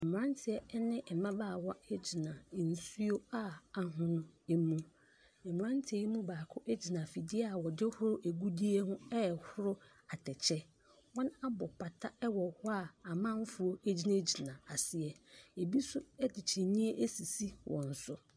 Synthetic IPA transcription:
ɛ˨m˨ɾã˦ntʰɪ˨ɛ˨˦nɪ̃˦ɛ˨mã˦ba˦˨wɔ˦e˦d͡ʑi˨nã˨n̩˨su˦o˦a˦a˨ɦʊ̃˨nʊ̃˦e˦mũ˦ | ɛ˨mɪ̃˨ɾã˦n˦tʰɪ˨ɛ˨˦i˦mũ˦baː˨kʰʊ˦ʔæ˦d͡ʑi˨nã˨fi˨dɪ˦a˦˨wɔ˨dɪ˦hʊ˦ɾʊ˦ʔe˨ɡu˦di˦e˦hʊ̃˦ɛ˦˨hʊ˦ɾʊ˦ | a˨tʰɛ˨t͡ɕʰɛ˦ | wɔ̃˦na˦bɔ˨pʰa˨tʰa˦ɛ˦wɔ˨hʊ˦a˨a˨mã˦fʊ˨o˦e˦d͡ʑi˦nã˦d͡ʑi˨nã˨a˨sɪ˨ɛ˨e˨bi˦sʊ˦ɛ˦dɪ˨t͡ɕʰɛ˨nĩ˦e˦ʔe˦si˨si˦wʔɔ̰̃˨n̩˨sʊ˦

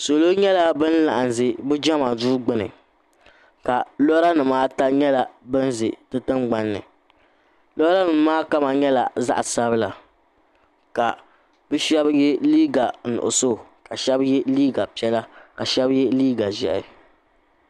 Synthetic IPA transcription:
so˨lo˦ɲɛ˦la˦bɨ˦nla̰˨ʔa˨n˨zɪ˨bɨ˦d͡ʒɛ˦ma˨zuː˦ɡ͡bɨ˦nɨ̰˨ | ka˨lɔ˦ɾa˦nɨ˨maː˦ta˦ɲɛ˦la˨bɨ˦n˦zɪ̰˨tɨ˦tɨ˦ŋ͡mɡ͡ba˦nːɨ̰˨ | lɔ˦ɾa˦nɨ˨˦maː˦ka˦ma˨ɲɛ˦la˨za̰˦ʔa˨sa˦bɨ˦la˨ | ka˨ | bɨ˦ʃɛ˦bjɛ˦liː˦ɡa˨nʊ̰˨ʔʊ̰˨so˦˨ka˨ʃɛ˦bjɛ˦liː˦ɡa˨pi˦ɛ˦la˦ka˨ʃɛ˦bjɛ˦liː˦ɡa˨ʒɛ̰˨ʔɪ̰˨

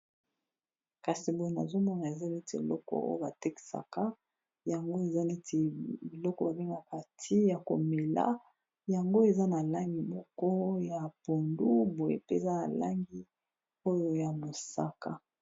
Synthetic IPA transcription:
ka˨si˨bo˨je˨na̰˨zo˦mɔ˦na˨e˨za˦ne˦te˨ḛ˨lɔ˦kɔ̰˨o̰˦jo˦ba˨te˦ki̥˨sa̰˨ka˦ | ja˨ŋɡo˦e˨za˦ne˦tʰe˨i˨lɔ˦kɔ˨ba˨be˦ŋa˨pa˨tʰi˦ja˨ko̰˨me˨la̰˦ | ja˨ŋɡo˦e˨za˦na˨la˦ŋɡi˨mɔ˦ko˦ja˨po˨ndu˦bo˨jḛ˨pe˦e˨za˦na̰˨la̰˦ŋɡi˦ | o˦jo˦ja˨mo˨sa̰˦ka˦

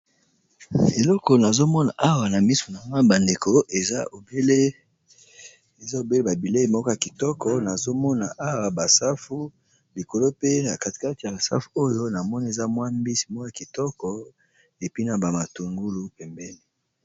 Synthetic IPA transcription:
e˨lɔ˦kɔ˨na˨zo˦mɔ˦na̰˨ʔa˦wa˨na˨mi˦su̥˨na˨ma˦ba˨nde˨ko˨ʔe˨za˦o˨be˦le˦ | e˨za˦o˨be˦le˦ba˨bi˨le˦i˨mɔ˦kɔ˦ja˨ki˨tɔ˦kɔ˨na˨zo˦mɔ˦na˨ʔa˦wa˨ba˨sa˦fu˦ | li˨ko˨lo˦pe˦na˨ka˨ti̥˨˦ka˦ti˨ja˨a˨sa̰˦fu̥˨o˦jo˦na˨mɔ˦ni˦e˨za˦mwa˦mbi˦si˨m˦ja˨ki˨tɔ˦kɔ˦ | e˨pi˦na˨ba˨ma˨tu˨ŋɡu˦lu˦pɛ˨mbɛ˦ni˦

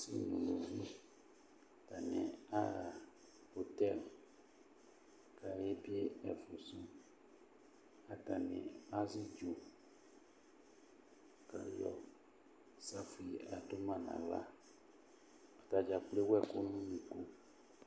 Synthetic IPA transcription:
sḭ˦nṵ̃˨lo˨vi˦˨ | ta˨nɛ̰̃˨a˦˨ | ho˨t̪ɛ˦˨l | ka˨ɾe˦bi˦e˦ɛ˨fu˨sũ˦ | a˨ta˨nɛ̰̃˨a˦zi˦d͡ʒo˨ | ka˨lɔ̰˨ | sa˦fi˨a˨to˦mã˦nã̰˨la̰˦ | a˨ta˨d͡ʒa˨k͡ple˦wɛ˦ko˦nũ˦nĩ˨ko˦

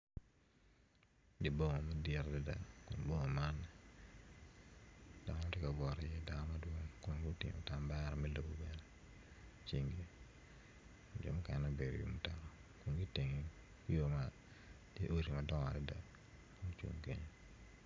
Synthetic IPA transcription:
di˨bo˦ŋo˨ma˦dɪɾdɛ˦da̰˨kʊ˨nbo˦ŋɔ˨ma˦nːɛ | d̥a˨ŋ˦ma˦tɪ˦ka˨ɡɔ˨ɾɔjɛ˦da˨nɔ˦ma˦dwo˦ŋkʊ˦n˦ɡʊ˦tɪ̰˨ŋo̰˨ta˨mba˦ɾɔ˨mɛ˦lo˨bo˨bɛ˨nɛ | t͡ʃi˦ŋɡe˦ | kʊnd͡ʒɔ̰˨mʊ˦kɛ˨nna˦be˨ɾo̰˨jṵ˨mu˦ta˨kɔ˨kʊ˨nɡi˦te˨ŋi | ki˦jo˦ma˨ | tjḛ˦ʔo˦ɾi˨madɔ˦ŋa̰˨dɛ˦da̰˨ | kʊ˦nt͡ʃwo̰˨ŋkeɲ

